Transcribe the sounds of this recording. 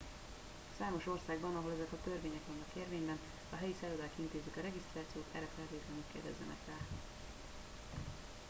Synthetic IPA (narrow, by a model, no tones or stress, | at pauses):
saːmo̞ʃo̞rsaːɡbɒnɒɦo̞lɛzɛkɒt̪ørveːɲɛkʋɒnːɒkeːrveːɲbɛn | ɒɦɛjisɛɾod̪aːkint̪eːzykɒɾɛɡist̪raːt̪sijoːt̪ɛ̰rːɛfɛɦɛt̪eːt̪lɛnykːeːrd̪ɛ̰zːɛ̰nɛ̰kfɛl